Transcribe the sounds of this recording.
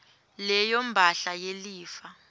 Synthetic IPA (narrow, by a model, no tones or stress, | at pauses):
lɛjom̩bʱaɬajeliːfa